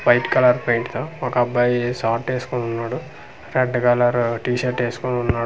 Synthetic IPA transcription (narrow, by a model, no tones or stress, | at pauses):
pɐjʈkɐlɐɾpɾɐjɳʈt̪oːɔkɐbːaːjsaːɾʈːeːsu̥konunːaːɽu | ɾeɖkɐlɐɾʈiːʃɐɾʈeːsu̥konunːaː